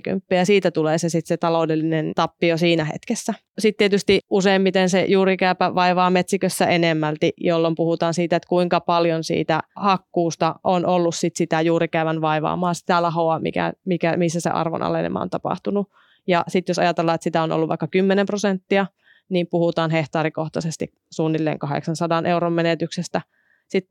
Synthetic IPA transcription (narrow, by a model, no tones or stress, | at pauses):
ky̰mpːiːɑsiːt̪æt̪uleːsesit̪set̪ɑlodelːinent̪ɑpːiosiːnæhḛt̪kesːæ | sit̪t̪iet̪yst̪iʔuseimmit̪ensejuːrikæypæʋɑiʋɑːmet̪sikøsːæʔenemːælt̪ijolːompuhut̪ɑːnsiːt̪æet̪kuiŋkɑpɑljonsḭːt̪æhɑkːuːst̪ɑʔonʔolːussit̪sit̪æjuːɾikæyʋænʋɑiʋɑ̰ːmɑːsi̥t̪ælɑɦoɑmḭkæ̰mikæmisːæsḛʔɑ̰rʋo̰nʔɑ̰lḛnḛmɑ̰o̰nt̪ɑpɑ̰ht̪unu | jɑsit̪josɑjɑt̪elːɑːet̪sit̪æono̰lːuʋɑ̰ikːɑkymːenemprosent̪ːiɑ | nimpuhut̪ɑːnɦeht̪ɑːɾikoht̪ɑsest̪ik | suːnːilːḛːŋkɑhḛksɑnsɑdɑnʔeuɾommenet̪yksest̪æ | sit̪